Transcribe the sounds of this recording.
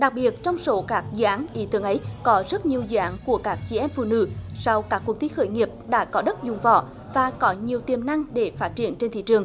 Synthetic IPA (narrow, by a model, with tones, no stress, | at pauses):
ɗa˨˩k̚ɓi˨˩ət̚t͡ɕɔ˧wŋ͡mso˨˦kaː˦˥k̚zɨ̰˧ʔaː˨˦nʔḭ˧˦t̪ɨ˨˧˦əŋʔə˨˦jkɔ˨˦zə˦˥t̚ɲi˨˩əwzɨ̰˧˨ʔaː˨˦nku˧˩əkaː˦˥k̚t͡ɕi˧˩ʔɛ˧mfṵ˧˨nɨ̰˧˥sa˧wkaː˦˥kːw̚t̪ʰi˨˦xəː˧˩jŋi˨˩əp̚ɗa̰ː˧˥kɔ˨˦ɗə˦˥t̚zʊ˨˩ŋ͡mvɔ̰˧˨ | vaː˨˩kɔ˨˦ɲi˨˩əwt̪i˨˩əmna˧ŋɗe˧˩faː˦˥t̚t͡ɕḭ˧˩ənt͡ɕe˧nt̪ʰḭ˧˨t͡ɕɨ˨˩əŋ